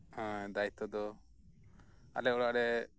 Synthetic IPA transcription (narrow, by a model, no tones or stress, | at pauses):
hɔ̃d̪ajt̪ɔd̪ɔ | a̰lɛɔɽaʔɽɛ